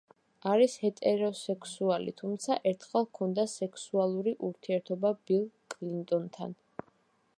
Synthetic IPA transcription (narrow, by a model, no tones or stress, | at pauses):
aɾishɛt̪ʼɛɾɔsɛkʰsualḭt̪ʰumt̪sʰaʔɛɾt̪ʰχɛlˠkʰɔnd̪asɛkʰsualˠuɾiʔuɾt̪ʰiɛɾt̪ʰɔbabilˠkʼlint̪ʼɔnt̪ʰa̰n